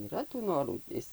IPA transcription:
iːˈrɐ tuː ˈnoːruː ˈɪs

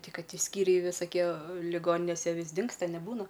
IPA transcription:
ˈtʲɪ ˈkɐt ˈtʲɪ ˈsʲkʲiːrʲɛɪ ʋʲɪsɐˈkʲiɛ lʲɪˈɡoːnʲɪnʲeːsʲɛ ˈʋʲɪs ˈdʲɪŋkstɐ nʲɛˈbuːnɐ

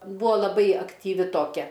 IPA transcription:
ˈbuɔ lˠɐˈbɐɪ ɐktʲiːˈʋʲɪ toːˈkʲɛ

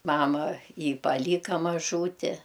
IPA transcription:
ˈmɑːmɐ ˈjiː pɐˈlʲiːkɐ mɐˈʒuːtʲɪ

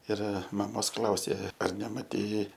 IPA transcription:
ɪr mɐˈmoːs ˈklˠɐʊsʲeː ɐr nʲɛmɐˈtʲɛɪ

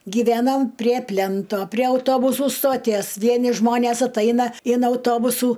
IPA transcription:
ɡʲiːˈʋʲænoːm pʲrʲiɛ ˈpʲlʲæntoː pʲrʲiɛ ɐʊˈtoːbʊsʊ stoːˈtʲiɛs ˈʋʲiɛnʲɪ ˈʒmoːnʲeːs ɐtˈɐɪnɐ ɪn ɐʊˈtoːbʊsuː

